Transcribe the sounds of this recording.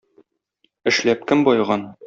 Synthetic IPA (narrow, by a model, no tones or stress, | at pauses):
ɘ̆ʃlæp̚kɘmbɒjʁɑn